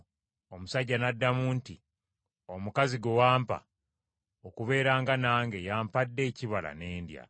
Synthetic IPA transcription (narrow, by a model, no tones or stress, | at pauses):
o̞musaɟːanadːamuːnti | o̞mukaziɡwowaːmpa̰ | okuβe̞ːɾaːŋɡanaːŋɡe̞jaːmpadːe̞ːciβala̰ne̞ːndja̰